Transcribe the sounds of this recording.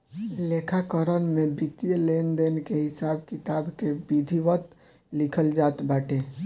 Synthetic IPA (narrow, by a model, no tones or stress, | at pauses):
lekʰakəɾənmeb̪it̪ijəlend̪enkeɦɪsaːb̚kɪt̪aːbkebid̪ʱiʋət̪ | lɪkʰəld͡ʒaːt̪baːʈʰe